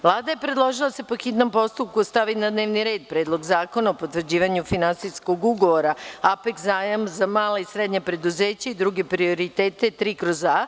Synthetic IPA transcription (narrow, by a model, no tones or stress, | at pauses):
ʋlˠaːd̪ajepɾe̞d̪lˠo̞ʒilˠase̞po̞xit̪no̞mpo̞st̪up̚kuost̪aʋinad̪ne̞ːʋniɾe̞ːd̪̚pɾe̞ːd̪lˠo̞ɡzaːko̞naopo̞t̪ʋr̩d͡ʑiːʋaɲufinansisko̞ɡuɡo̞ʋo̞ɾaapekzaːjamzamaːleisɾed̪ɲapɾe̞d̪uzeːt͡ɕaid̪ɾuɡe̞pɾio̞ɾit̪e̞ːt̪e̞t̪ɾiːkɾo̞za